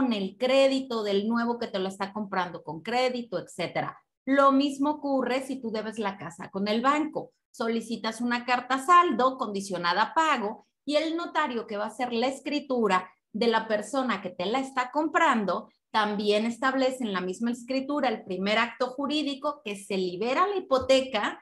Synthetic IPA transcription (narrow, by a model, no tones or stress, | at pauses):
ne̞lkɾe̞ðit̪o̞ðe̞lnwe̞β̞o̞ke̞t̪e̞loe̞st̪ako̞mpɾand̪o̞ko̞ŋkɾe̞ðit̪o̞e̞kse̞t̪e̞ɾa̰ | lomizmo̞okure̞sit̪uðe̞βe̞zlakasa̰ko̞ne̞lβaŋko̞ | so̞lisit̪asunakaɾt̪asald̪o̞ko̞nd̪isjo̞nað̞apaɣo̞ | ie̞lno̞t̪aɾjo̞ke̞βaːse̞ɾlaeskɾit̪uɾa | ðe̞lape̞ɾso̞nake̞t̪e̞laest̪ako̞mpɾand̪o̞ | t̪ambje̞ne̞st̪aβle̞se̞nlamizmaeskɾit̪uɾaelpɾime̞ɾak̚t̪o̞xuɾiðiko̞ke̞se̞liβe̞ɾalaipo̞t̪e̞ka